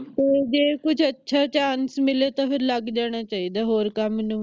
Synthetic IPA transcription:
t̪eːd͡ʒeːkʊt͡ʃʰətːʃʰaːt͡ʃaːnsmɪleːt̪ãːpʰɪɾləɡd͡ʒaːɽ̃aːt͡ʃaːiːd̪aːɦoːɾkəmnũː

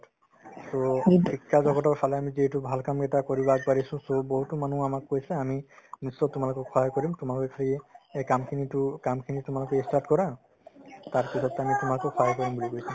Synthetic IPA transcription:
soikʰːazɔɡɔtɔɹpʰalɛamizietubʱalkamkɛtakɔɹibaɡ̚paɹisʊ̃soboɦutɔmanũamakːojsɛaminisːɔtʊmalokɔkʰɔɦajkɔɹimtʊmalokekʰaliɛekamkʰinitʊkamkʰinitʊmalokɔestaɹtkɔɹã | taɹpisɔtamitʊmalokɔkʰɔɦakɔɹimbulikojsɛ

